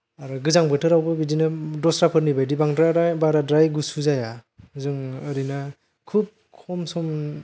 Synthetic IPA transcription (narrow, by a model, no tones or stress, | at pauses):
aɾɡɯzaŋbɯtʰɯɾawbɯbidinɯdɔsɾapʰɯɾnibajdibaŋdɾaɾabaɾadɾajɡusuzajazɯŋɯɾina | kʰup̚kʰɔmsɔm